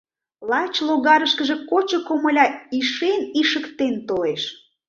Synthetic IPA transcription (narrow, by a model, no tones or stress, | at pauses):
lɑt͡ɕloɣɑɾəʃkəʒekot͡ɕŏkoməlʲɑiʃeniʃəkt̪ent̪oleʃ